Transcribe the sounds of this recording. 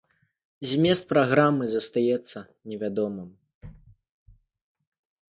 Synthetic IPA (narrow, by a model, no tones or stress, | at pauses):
zʲmʲɛst̪̚pɾaɣɾamɨzɐst̪ajɛt̪sːɐ | nʲɛvʲad̪ɔmɨm